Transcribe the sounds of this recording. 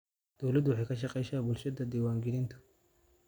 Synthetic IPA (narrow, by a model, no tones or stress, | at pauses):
d̪̥ɔwlɐd̪wɑħɑjkʰɐʃ̬ɑqɛjʃaːbʊlʃɐd̪ɐd̪iːwaːŋɡɛlɪnt̪ʰʊ̥